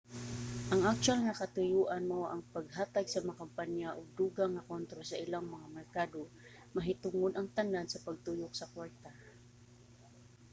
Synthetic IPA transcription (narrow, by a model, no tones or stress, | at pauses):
ʔɐŋʔak̚t͡ʃwalŋakɐt̪ʊjuʔanmoʔɐŋpɐɡ̚ɦaːt̪aɡsɐmɐakampanjaʔʊɡ̚d̪uːɡaŋɐkont̪ɾosɐʔɪlaŋmɐŋamɛɹkaːd̪o | mɐɦɪt̪ʊŋod̪ʔɐŋt̪anansɐpɐɡ̚t̪ujʊk̚sɐkwaɹt̪a